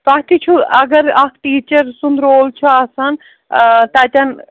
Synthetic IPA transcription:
t̪aːɦt̪it͡ʃʰuɐɡɐɾɐkʰʈiːt͡ʃɐɾsũnd̪ɾoːlt͡ʃʰuɐsɐn | t̪ɐt̪ʲɐn

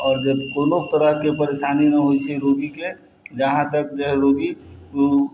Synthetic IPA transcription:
ɔːɾd͡ʒəbkonok̚t̪əɾəɦkepəɾeʃaninəɦojt͡ʃʰɛɾoɡike | d͡ʒəɦãt̪əkd͡ʒəɦɾoɡi | t̪o

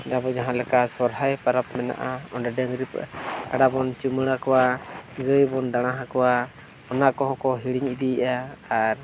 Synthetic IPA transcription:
dabɔd͡ʒaɦãlɛkasɔɾɦajpaɾap̚mɛna̰ʔaɔndaɖəŋɡɾipaɖabɔnt͡ʃuməɽakɔwaɡəjbɔndaɽ̃ãɦakɔwa | ɔnaʔkɔɦɔ̃kɔɦiɽiŋidiʔaːɾ

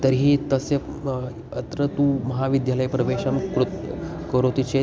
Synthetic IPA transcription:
t̪əɾɦiːt̪əse | ət̪ɾət̪ũməɦaʋid̪jaləjpɾəʋeɕamkɾut̪ | kəɾot̪it͡ɕe

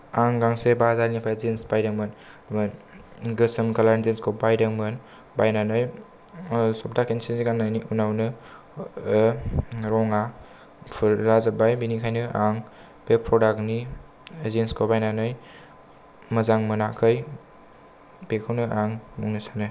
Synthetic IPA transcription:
aŋɡaŋsebaɦɐzaɾnipʰazensbajdɯŋmɯn | n | ɡɯsɯmɡalaɾnzenskʰobajdaŋmɯn | bajnanɯj | sɔp̚dakʰensenziɡaŋnajniunawnɯ | ɾɔŋa | pʰɯɾlazabajbinikʰajnɯaŋ | b̥epʰɾɔdakni | zenskʰobajnanɯj | mɐzaŋmɯnakʰɯj | bekʰɯwnɯʔaŋmuŋnisanɯ

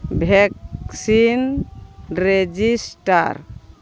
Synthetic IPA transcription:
bʱɛksin | ɾed͡ʒisʈa̰ɾ

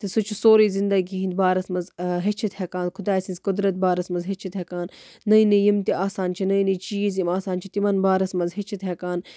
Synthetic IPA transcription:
t̪isut͡ʃʰusoːɾiːzind̪ɐɡiɦĩnd̪̚baːɾɐsmɐzɦet͡ʃʰit̪hekaːnkʰʊd̪aːsinzʲkʊd̪ɾɐt̪̚baːɾɐsmɐzɦet͡ʃʰit̪ɦekaːnːɐjnejimt̪iʔaːsaːnt͡ʃʰinɐjnit͡ʃiːjizjimaːsaːnt͡ʃʰit̪imɐnbaːɾɐsmɐzɦet͡ʃʰit̪ɦekaːn

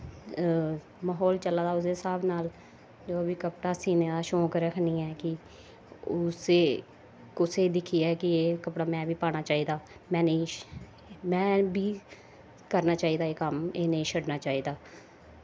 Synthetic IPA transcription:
maːɦɔːlt͡ʃəlaːd̪aːʊseːsaːbnaːl | d͡ʒoːəbiːkəpɽaːsiːneːd̪aːʃõːkɾəkʰnĩːɛːkɪ | ʊseː | kʊseːd̪ɪkʰːiːɛːkɪeːkəpɽaːmɛ̃ːʋiːpaːɽ̃aːt͡ʃaːiːd̪aːmɛ̃ːneː | mɛ̃ːbiː | kəɾnaːt͡ʃaːiːd̪aːeːkəmeːneːʃʰəɽnaːt͡ʃaːiːd̪aː

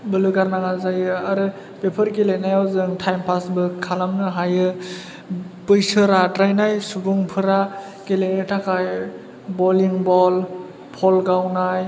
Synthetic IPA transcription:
bɯlɯɡaɾnaŋazajɯaɾɯ | bepʰɯɾkelenajawzɯŋtʰajmpʰasbɯkʰalamnɯɦajɯ | bɯjsɯɾatɾajnajsubuŋpʰɯɾa | kelenɯtʰakʰaj | bɔliŋbɔl | pʰɔlɡawnaj

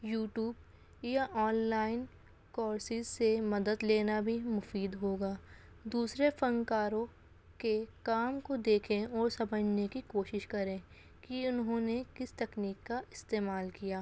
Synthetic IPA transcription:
juːʈjuːb | jaʔɔːnlaːɪn | kɔːɾsɪzsemɐd̪əd̪leːnabʱimʊfiːd̪ɦoːɡaː | d̪uːsɾefɐ̃ŋɡkaːɾõ | kekaːmkod̪eːkʰẽɔːɾsɐbəd͡ʒʱnekikoːʃɪʃkɐɾẽː | kiʊnɦõːnekɪst̪ɐkniːkːaɪst̪eːmaːlkijaː

